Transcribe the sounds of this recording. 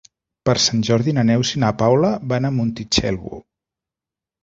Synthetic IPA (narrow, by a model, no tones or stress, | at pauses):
pəɾsanʲʒɔɾðinanɛwsinapawlaβanamunt̪it͡ʃɛ̰lˠβṵ